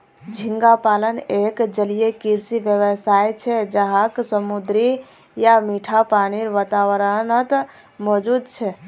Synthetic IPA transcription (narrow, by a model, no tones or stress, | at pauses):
d͡ʒʱiŋɡapalənekd͡ʒəlijekiɾsiʋjəʋəsajt͡ʃʰɛd͡ʒəɦaksəmud̪ɾi | jamiʈʰapaniɾʋat̪awəɾənət̪ | mɔd͡ʒud̪t͡ʃʰɛ